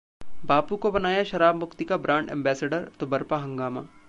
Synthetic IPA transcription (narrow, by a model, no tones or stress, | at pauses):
baːpukobɐnaːjaʃɐɾaːbmʊxt̪ikabɾãːɳʈɛ̰̃ːmbɛːseːɖəɾt̪obɐɾpaɦɐ̃ŋɡaːma